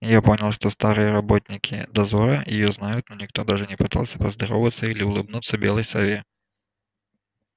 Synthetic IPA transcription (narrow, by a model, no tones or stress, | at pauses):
japonʲɪlˠʂt̪ɔst̪aɾɨjəɾabɔt̪ʲnʲɪkʲʰḭd̪ɐzɔɾɐjɪjɔznajʊt̪nɔnʲɪxt̪ɔd̪aʐɨnʲɪpɨt̪a̰lˠsʲɐ̥pɐzd̪ɐɾɔvət̪sːəilʲɪʊlˠɨbnut̪sːəbʲɛlˠɐjsɐvʲe